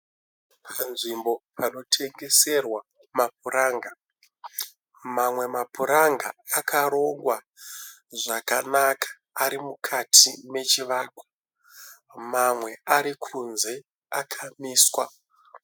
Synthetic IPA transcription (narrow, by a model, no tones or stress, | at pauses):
pʰanʐimbo̞pʰano̞tʰe̞ŋɡe̞se̞rwa | map̚uɾaːŋɡa | mamwe̞mapuɾaŋɡa̰akʰaɾo̞ŋɡwa | ʐakanakʰḁːɾimukʰatʰime̞t͡ʃiʋaːkwḁ | mamwe̞aɾikʰunze̞ | akʰamiːswa